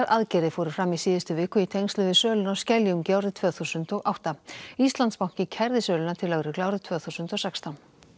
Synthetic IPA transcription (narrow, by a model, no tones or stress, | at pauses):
aɾʔaðcɛːɾɪfɔːɾʏfɾamːisiːðɪst̪ʏvɪːkʏit̪ʰejɲnst̪lʏvɪsœːlʏnawscɛljumcawɾɪt̪ʰvœːθusʏnt̪ɔɣʔawht̪aist̪lant̪spawŋ̥cɪcʰɛɾðɪsœːlʏnat̪ʰɪlːœɣɾɪklawɾɪt̪ʰvœːθusʏnt̪ɔsɛkst̪ʰawn